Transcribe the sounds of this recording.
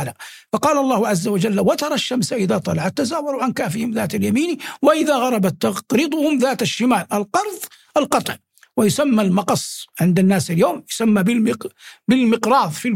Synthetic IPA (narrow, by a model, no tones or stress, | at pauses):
la | fɑqɑːlɑlˤːɑːhʊʕazːawad͡ʒalːawat̪ɑɾˤɑʃːamsaʔɪðaːt̪ˤɑlɑʕat̪ːazaːwɑɾuʕankaːfɪhɪmðaːt̪aljamiːniwaʔɪðaɣɑɾˤɑbat̪ːɑqɾɪt̪ˤʊhʊmðaːt̪aʃːɪmaːlʔalqɑɾˤðˤ | ʔalqɑt̪ˤʕ | wɪjʊsamːalmɑqɑsˤʕɪnd̪anːaːsaljoːmjʊ̥samːabɪlmɪbɪlmɪqɾɑːðˤfi